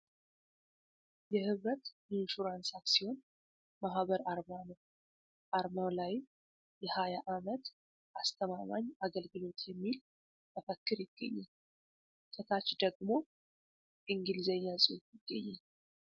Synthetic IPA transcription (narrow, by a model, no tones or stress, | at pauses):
jɛhɨβɾət̪ʔinʃuɾansaksiho̞n | maɦβəɾaɾmanəw | ʔaɾmawlaj | jɛhajaʔamət̪ | ʔast̪ʰəmama̰ɲːaɡəlɡɨlo̞t̪jɛmːil | məfəkːɨɾjɪɡ̥ːə̰ɲːa | t̪ʰʼət̪ʰat͡ʃːd̪əɡmo̞ | ʔɨŋɡɨlzeɲːasʼot͡ʃjɪɡ̥ːəɲːa